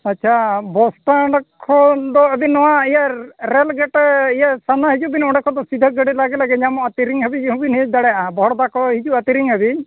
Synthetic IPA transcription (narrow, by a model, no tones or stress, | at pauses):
aːt͡ʃʰabɔsʈaɽkʰːɔd̪ɔəbinɔwaijaɾɛlɡɛʈijasanaɦid͡ʒubinɔɖɛkʰɔd̪ɔsid̪ʱəɡəɽilaɡɛlaɡɛɲamɔat̪iɾiŋɦəbid͡ʒɦubinɦid̪aɽɛabɔɦɔɽɔd̪akɔɦid͡ʒuət̪iɾiŋɦəbi